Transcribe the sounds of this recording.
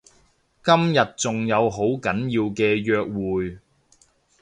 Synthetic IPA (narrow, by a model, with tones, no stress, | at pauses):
kɐ˥mjɐ˨t̚t͡sʊ˨ŋjɐ˨˧wɦo˨˥wkɐ˨˥njiː˧wkɛː˧jœː˧k̚wuː˨j